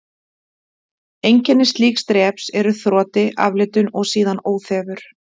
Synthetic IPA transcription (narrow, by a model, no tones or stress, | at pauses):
ejɲcɛnːɪst̪liːkst̪ɾɛːpsɛɾʏθɾɔːt̪ɪʔa̰vlɪt̪ʏnɔɣsiːðanoːwθɛːvʏɾ̥